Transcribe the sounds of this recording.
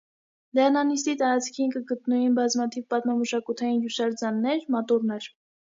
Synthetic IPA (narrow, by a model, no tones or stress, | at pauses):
d̪ɛrnɑnis̬t̪it̪ɑɾɑt͡sʰkʰinkəɡət̪nujinbɑzmɑt̪ʰivpɑt̪mɑməʃɑkut̪ʰɑjinjuʃɑɾd͡zɑnːɛɾmɔt̪uɾnɛɾ